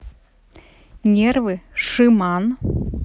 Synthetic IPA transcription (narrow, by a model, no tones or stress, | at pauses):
nʲervɨʂɨmɑn